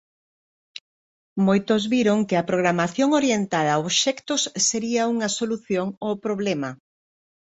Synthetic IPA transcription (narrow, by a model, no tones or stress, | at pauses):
mojt̪ʊzβiɾoŋkɪɐpɾoɣ̞ɾamaθjoŋoɾjent̪aðaoβʃɛkt̪ʊsːeɾiɐuŋɐsoluθjoŋopɾoβlɛmɐ